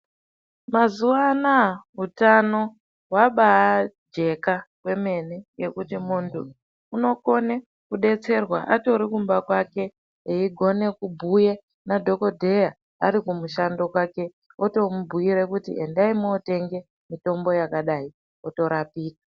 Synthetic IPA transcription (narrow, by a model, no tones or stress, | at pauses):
mazuwanautano̞ | ɦwaɓaː | d͡ʒe̞kakwe̞me̞nije̞kutimunduː | no̞ko̞ne̞ | kuɗe̞t͡se̞rwa̰ʔato̞ɾikumbakwake̞ | eiɡʱo̞ne̞kubʱuje | nadʱo̞ko̞dʱeja | aɾikumuʃando̞kwake̞ | oto̞mubʱuiɾekutḭendaimoːte̞ŋɡe̞ | mito̞mbo̞jakaɗai | oto̞ɾapiːka